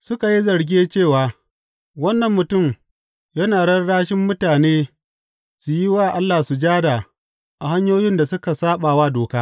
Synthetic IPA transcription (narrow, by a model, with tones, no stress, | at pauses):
sʊ˦ka˨ji˦zɐ˨ɽɡʲeː˦t͡ʃeː˦˨waː˨ | wɐ˦nːɐ˨mːʊ˨tʊ˦˨m | jɐ˦naː˨ɽɐ˦rɽaː˦ʃɪ˦mːʊ˦taː˨neː˦ | su˨ji˦waː˦˨ʔa˦lːaː˨su˨d͡ʒaː˦da˨ | ʔa˨ha˦ɲjoː˦jɪ˦nda˨sʊ˦ka˨saː˦ɓa˨waː˦doː˨kaː˦